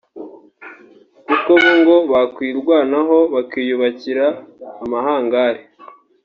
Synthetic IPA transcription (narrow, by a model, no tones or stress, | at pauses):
kukoβoŋɡo̞βakwiːɾɡwaːnaɦo̞βakiːjuβaciɾaːmahaːŋɡaɾe